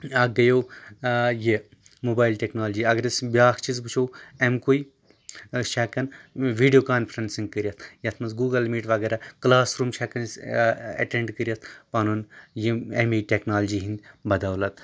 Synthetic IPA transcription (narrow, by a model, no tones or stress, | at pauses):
ɐɡɐjoː | je | moːbaːjilʈʲeːknaːld͡ʒiɐɡɐɾɐsbʲaːkt͡ʃizbɨt͡ʃʰoːemkui | ʃʰɛːkɐnʋiːɖijoːkaːnfʰɐɾɐnsiŋɡ̚kəɾʲiɐst̪ʰjɐt̪ʰmɐnsɡuːɡɐlmiːʈʋɐɡɛːɾaklaːsɾuːmʃʰɛkɐnsɐ̰ʈeɳɖkəɾʲjɐt̪ʰpɐnunjiemiːʈʲeknaːld͡ʒiɦind̪bɐd̪aːwlɐt̪